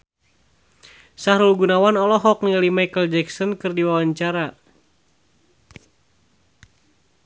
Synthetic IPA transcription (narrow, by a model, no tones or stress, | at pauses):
sahɾulɡunawanɔlɔɦɔk̚nilimajkəld͡ʒɛksɔnkɨrdiwawaɲt͡ʃaɾa